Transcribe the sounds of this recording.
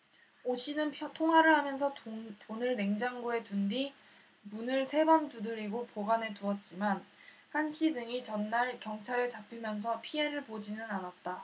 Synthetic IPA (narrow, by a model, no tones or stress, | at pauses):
oɕʰinɯnʰtʰoŋɦwaɾɯɭhamjʌns̬ʰʌtonɯɭne̞ŋd͡ʑaŋɡue̞tundi | munɯɭsʰe̞bantudɯɾiɡopoɡane̞tuʌt̚t͡ɕ͈iman | hanɕʰidɯŋit͡ɕʌnːaɭkjʌŋt͡ɕʰaɾɯt͡ɕapʰɯmjʌns̬ʰʌpʰie̞ɾɯɭpod͡ʑinɯnanat̚t͈a